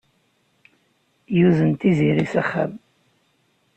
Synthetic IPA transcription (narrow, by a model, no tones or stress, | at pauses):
juðənt̪iziɾisæχa̰m